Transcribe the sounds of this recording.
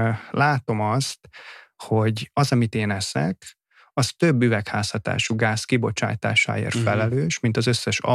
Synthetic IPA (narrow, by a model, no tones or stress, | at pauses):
laːt̪o̞mɒst̪ho̞ɟɒzɒmit̪eːnɛsɛ̰k | ɒst̪øbːyvɛkhaːshɒt̪a̰ːʃuɡaːskibo̞t͡ʃa̰ːjt̪a̰ːʃa̰ːḛːrt̪fɛlɛløːʃmint̪ɒzøsːɛʃɒ̰